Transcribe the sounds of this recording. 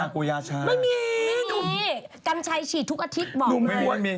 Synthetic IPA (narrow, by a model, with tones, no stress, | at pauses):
a˧˩koː˧jaː˧t͡ɕʰaː˧ma˥˩miː˧duː˧˩miː˧˥˩ka˧mt͡ɕʰa˧jt͡ɕʰiː˨˩t̪ʰːu˦˥k̚ʔa˧t̪ʰi˦˥t̪̚bɔː˧˩u˧˥˩u˧˩ə˨nmiː˧